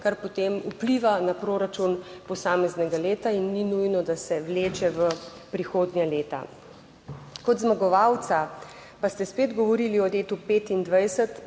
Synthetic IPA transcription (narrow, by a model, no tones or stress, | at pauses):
kaɾpɔt̪emupliʋanapɾoːɾat͡ʃunpɔsaːmɛznɛɡaleːt̪ainːinujnɔd̪asɛʋleːt͡ʃɛʋə | pɾixoːd̪njaleːt̪a̰ | kɔd̪zmaɡɔʋawt̪sa | past̪ɛspeːd̪ɡɔʋɔɾiliɔleːt̪upeːt̪ind̪ʋajsət̪